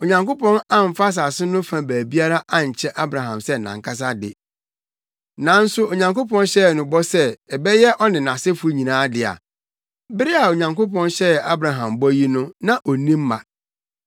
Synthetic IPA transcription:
o˨ɲã˨ŋko˦pɔ̃˦nã˦m̩˨fa˦s̬a˨sɪ˦nʊ̃˦fã˨bæː˨bi˦a˦ɾa˦ʔa˦˨ɲ̩˨t͡ɕʰɛ˦ʔa˦bɾa˨ɦã̰˨msɛ˦˨nã̰˨ŋkʰa˦s̬a˦dɪ̰˨ | nã˨n̩˦sʊ˦o˨ɲã˨ŋko˦pɔ̃˦nɕɛ˦˨nʊ̃˨bɔ˦sɛ˦ɛ˨bɛ˦jɛ˦ʔɔ˦nɪ̃˨nã˨sɪ˦fu˦ɲĩ˨nãː˨˦dɪ˨a̰˨ | bɪ˦ɾi˦a˨o˨ɲã˨ŋko˦pʰɔ̃˦nɕɛ˦ɛ˨a˦bɾa˨ɦã˨mbɔ˦ji˦nʊ̃˦nã˨ʔɔ˨nĩ˦mː˦ã̰˨

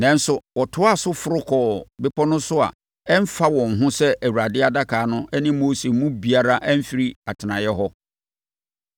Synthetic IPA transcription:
nɛ̃˨˦n̩˦sʊ˨wɔ˨tʰʊ˦a˦˨sʊ˦fʊ˨ɾʊ˦kʰɔ˨bɪ˦pʰɔ˦nʊ̃˦sʊ˦a̰˨ | ɛ˦m̩˦fa˦wɔ̃˨ŋ̩˨ɦʊ̃˦sɛ˦ʔæ˨wu˨ɾa˨dɪ˦a˦da˦kʰaː˨˦nʊ̃˦ʔɛ˦nɪ̃˦mo˦se˨mũ˦bi˨a˦ɾa˦ʔæ˦m̩˦fi˨ɾi˦a˨tʰɪ˨nã˨jɛ˦ɦɔ˦

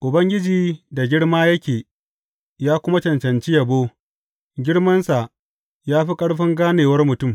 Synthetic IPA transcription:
ʔʊ˨bɐ˦ŋɡʲɪ˦d͡ʒiː˨da˨ɡʲɪ˦ɽmaː˦jɐ˦kʲeː˨ | jaː˦kʷʊ˦ma˦t͡ʃɐ˨nt͡ʃɐ˨nt͡ʃi˦jɐ˨boː˦ | ɡʲɪ˦ɽmɐ˦nsa˨ʔ | jaː˦ɸi˦kʼɐ˦ɽɸɪ˦ŋɡaː˦neː˨wɐ˦rmʊ˨tʊ˦˨m

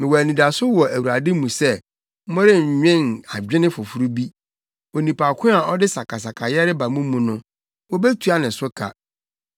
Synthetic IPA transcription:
mɪ̃˨wɔ˨æ˨nĩ˨da˨sʊ˦wɔ˨ʔæ˨wu˨ɾa˨dɪ̃˦mũ˨sɛ˦ | mɔ̃˦ɾɪ˦˨ɲᶣɛ̃˦˨na̰˨d͡ʑᶣɪ̃˦nɪ̃˦fʊ˨fu˦ɾu˦bi˦ | wo˨nĩ˨pʰa˨kʷʰʊ̃˦a˨ʔɔ˦dɪ˦sa˨kʰa˨s̬a˨kʰa˨jɛ˦ɾɪ˦ba˨mũ˦mũ˨nʊ̃˦ | wɔ˦be˦tʰu˨˦a˦nɪ̃˨sʊ˦kʰa̰˨

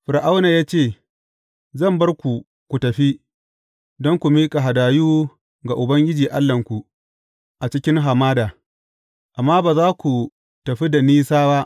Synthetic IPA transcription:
ɸɪ˨ɾʔa˦wna˨jaː˦t͡ʃeː˦˨ | zɐ˦˨mbɐ˦rkʷu˨ | kʷu˨tɐ˨ɸi˦ | dɔ˦ŋkʷu˨miː˦kʼa˨ɦa˨daː˨juː˦ | ɡa˨ʔʊ˨bɐ˦ŋɡʲɪ˦d͡ʒiː˨ʔa˦lːɐ˨ŋkʷu˨ | ʔa˨t͡ʃɪ˦kʲɪ˦ŋɦa˨maː˦daː˨ | ʔa˨mːaː˦baː˨zaː˦kʷu˨ | tɐ˨ɸi˦da˨niː˦saː˦ba˦ʔ

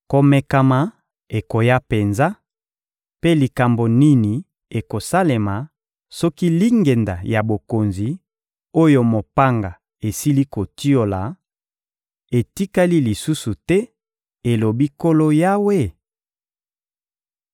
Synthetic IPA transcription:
ko˨me˨ka˨ma˨ | e˨ko˨ja˦pe˨nza˦ | pe˦li˨ka˨mbo˨ni˦ni˨ | e˨ko˨sa˦le˨ma˨ | sɔ˦ki˦li˦ŋɡe˨nda̰˨ja˨bo˨ko˨nzi˨ | o˦jo˦mo˨pa˦ŋɡa˨ | e˨si˦li˦ko˨ti˦o˨la˨ | e˨ti˦ka˦li˦li˨su˦su˨tɛ˦ | e˨lo˨bi˦ko˦lo˦ja˦we˦

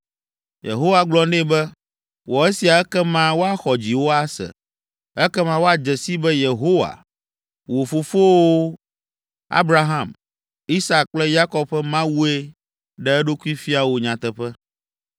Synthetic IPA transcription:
jḛ˨ɦo˦wa˨ɡ͡blɔ˦nɛ̃˦bɛ˦ | wɔ˨ɛ˦si˨a˨ɛ˦kɛ˦mã˦wo˦a˨xɔ˨d͡ʑi˨wo˦a˦sɛ̰˨ | ɛ˦kɛ˦mã˦wo˦a˨d͡ʒɛ˨si˦bɛ˦je˨ɦo˦wa̰˨ | wo˨fo˨fo˦wo˦ | a̰˦bɾa˦ɦã˦˨m | i˦sa˦k̚k͡plɛ˦ja˦kɔ˦bɸɛ˦mã˦wu˦e˦ | ɖɛ˦ɛ˦ɖo˦ku˦i˦fi˦a˨wo˨ɲã˨t̪ɛ˨ɸɛ˦

